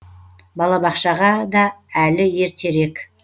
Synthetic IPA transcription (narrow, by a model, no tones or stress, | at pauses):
bɑlˠɑbɑqʃɑʁɑd̪ɑælɪje̞ɾt̪ʰe̞ɾe̞k